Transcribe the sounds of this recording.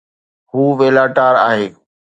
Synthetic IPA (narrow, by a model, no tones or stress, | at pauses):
huːʋeːlaːʈaːɾaːɦeː